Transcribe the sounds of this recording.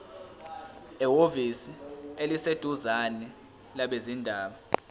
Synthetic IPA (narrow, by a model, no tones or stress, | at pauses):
ɛwovisielised̥ʱuzanɛ | laɓezindʱaːɓa